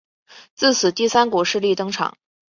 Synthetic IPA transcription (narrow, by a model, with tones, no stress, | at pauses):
t͡sɹ̩˥˩t͡sʰɹ̩˨˩t̪i˥˩sa˥nkɔ˨˩ʂɻ̩˥˧li˥˩t̪ɤ˥ŋʈ͡ʂʰɑ̰˨˩˦ŋ